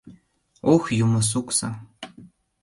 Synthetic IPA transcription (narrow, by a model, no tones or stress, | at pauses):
oxjʊmʊs̬ʊksa̰